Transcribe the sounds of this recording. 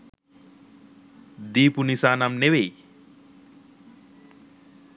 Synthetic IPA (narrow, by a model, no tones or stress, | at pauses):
d̪iːpunisaːnamnewej